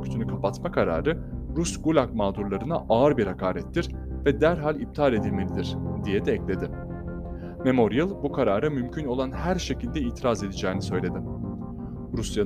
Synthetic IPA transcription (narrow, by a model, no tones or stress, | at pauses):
cʰy̥t̪ʰynykʰapat̪makʰaɾa̰ːɾɯɾusɡulʲakmaːd̪uɾlˠaɾɯnaʔaɯɾbiɾhakʰaːɾɛt̪ʰːiɾ̥ | vɛd̪æɾɦalʲib̚t̪ʰalʲe̞d̪ilʲme̞lʲid̪iɾ̥d̪ijɛd̪ɛːclʲe̞d̪ɪ | me̞mo̞ɾijilˠbukʰaɾaːɾɯmymcʰyno̞lˠanhæɾʃe̞cilʲd̪ɛiːt̪ʰiɾaze̞d̪id͡ʒɛːnisø̞jlʲe̞d̪ɪ | ɾusja